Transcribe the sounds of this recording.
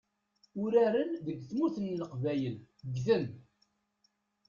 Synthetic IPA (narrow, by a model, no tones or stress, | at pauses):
ʊɾæɾənðəɡθmuθənːəqvæjələɡθən